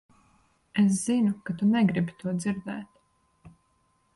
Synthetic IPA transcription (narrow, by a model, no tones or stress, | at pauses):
es̬z̥inukat̪unɛɡɾibit̪uɔd̪ziɾd̪ɛːt̪